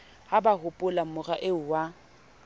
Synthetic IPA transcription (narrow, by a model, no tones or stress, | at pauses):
habahʊpʼʊlamʊraʔeʊwa